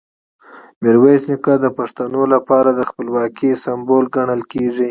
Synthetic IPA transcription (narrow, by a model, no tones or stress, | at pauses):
mɪɾwasnikad̪əpaʂt̪anolapɑɾad̪əxpəlwɑkisambolɡaɳəlkeʐi